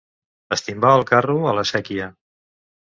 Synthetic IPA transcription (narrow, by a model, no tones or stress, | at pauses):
əst̪imbaəlˠkaruələsɛkiə